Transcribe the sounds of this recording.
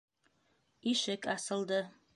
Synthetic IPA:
iʃɪkʼʰasɨlˠd̪ɨ

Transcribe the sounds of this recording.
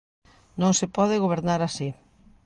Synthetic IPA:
nõŋsepɔðɪɣoβ̞eɾnaɾasi

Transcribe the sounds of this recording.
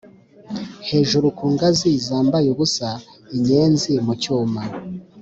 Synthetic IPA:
he̞ːʒuɾukuːŋɡazizaːmbajuβusa | iɲe̞ːnzimucuːma

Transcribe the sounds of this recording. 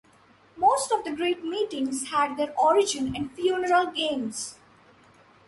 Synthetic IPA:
moːsʈɔʋd̪əɡɾeːʈmiːʈɪ̃ŋzhæɖ̚d̪eːɾʔɔːɾɪd͡ʒɪ̃nɪ̃ɳɖfjuːnəɾəlɡẽːmz̥

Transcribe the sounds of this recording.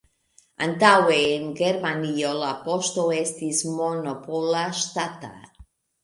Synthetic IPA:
a̰nt̪aweenɡeɾmaniolapoʃt̪oest̪ismonopolaʃt̪at̪a̰

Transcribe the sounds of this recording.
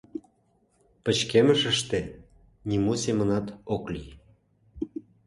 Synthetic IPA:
pə̆t͡ɕkeməʃəʃt̪ĕ | nʲimusemənɑt̪oklij

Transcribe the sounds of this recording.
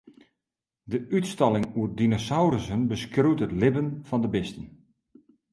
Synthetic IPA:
dəʔytstɑlˠɪŋuərdinosawrəsənbəskrytətlɪbənfɔndəbɪstən

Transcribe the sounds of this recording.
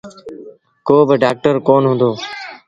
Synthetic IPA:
koːbɪɖaːk̚ʈəɾkoːnɦʊ̃nd̪oː

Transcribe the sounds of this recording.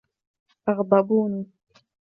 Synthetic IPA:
ʔaɣd̪ˤɑbuːn

